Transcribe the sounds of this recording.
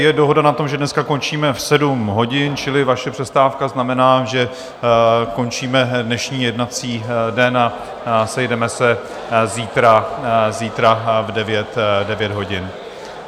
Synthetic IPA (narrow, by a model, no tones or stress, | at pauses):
jɛdo̞ɦo̞danat̪o̞mʒɛdnɛskako̞nt͡ʃiːmɛfsɛdumɦo̞ɟɪnt͡ʃɪlɪvaʃɛpr̥ɛst̪aːfkaznamɛnaːʒɛ | ko̞nt͡ʃiːmɛdnɛʃɲiːjɛdnat͡siːdɛna | sɛjdɛmɛsɛ | ziːt̪ɾaziːt̪ɾavdɛvjɛt̪dɛvjɛd̪ɦo̞ɟɪn